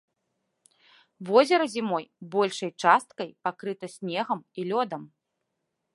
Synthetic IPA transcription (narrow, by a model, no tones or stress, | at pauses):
vɔzʲɛɾɐzʲimɔjbɔlʲʂɐjt͡ʂast̪̚kɐjpakɾɨt̪ɐsʲnʲɛɣɐmilʲɔd̪ɐm